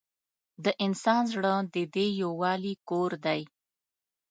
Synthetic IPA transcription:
d̪əʔɪnsɑnzɽəd̪əd̪ejowɑlikoɾd̪aj

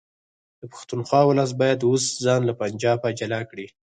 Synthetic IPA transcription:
d̪̥əpḁxt̪unxwɑwʊlas̬̚bɑjad̪wosd͡zɑnlapand͡ʒɑbad͡ʒalakɽi

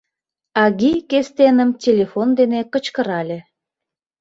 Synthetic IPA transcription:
ɑɣikest̪enəmtʲelʲefond̪enekət͡ɕkəɾɑlʲe

